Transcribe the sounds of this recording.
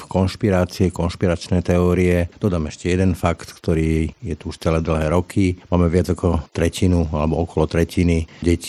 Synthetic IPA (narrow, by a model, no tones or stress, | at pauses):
fkɔnʃpiɾaːt͡siɛkɔnʃpiɾat͡ʃnɛjt̪ɛɔːɾiɛd̪̥ɔd̪aːmɛʃcɛjɛd̪ɛnfakt̪kt̪ɔɾiːjɛt̪uuʃt͡sɛlɛːd̪l̩ɦɛːɾɔkʰimaːmɛʋɪad͡zakɔt̪ɾɛcinualɛbɔɔkɔlɔt̪ɾɛciniɟɛci̥